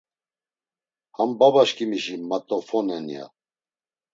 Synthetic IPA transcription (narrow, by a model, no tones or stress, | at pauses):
hambabaʃkʰʼimiʃimat̪ʼɔfɔnɛnḭja̰